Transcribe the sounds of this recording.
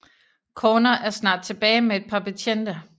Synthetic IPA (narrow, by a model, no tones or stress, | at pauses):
kʰoːnɐʔæɐsnɑ̰̈ːd̥̚t͡sʰe̝b̥ɛːɪmee̝d̥̚pʰɑ̈pʰæt͡ɕʰen̰d̥ɐ